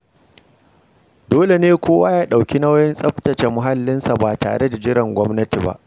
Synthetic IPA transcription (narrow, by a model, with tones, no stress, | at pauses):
doː˦le˨neː˦kʷoː˦waː˦jaː˦ɗa˨wkʲi˦na˦wjɛ˦nsʼɐ˦ɸtɐ˨t͡ʃe˨mʊ˨ɦa˦lːɪ˦nsa˨baː˨ta̰ː˨ɽe˦da˨d͡ʒɪ˦ɽɐ˨ŋɡʷɔ˦mnɐ˦ti˨ba̰˦˨ʔ